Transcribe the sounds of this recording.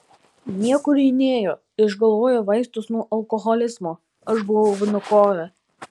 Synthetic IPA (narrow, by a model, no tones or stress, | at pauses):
nʲiɛkʊɾʲɛɪnʲeːjoː | ɪʒɡɐlˠʋoːjoʋɐɪst̪ʊsnuɔʔɐlˠkɔɣɔlʲɪzmu | ɐʃbʊʋɐʊʋʲɪnʊkoːjɛ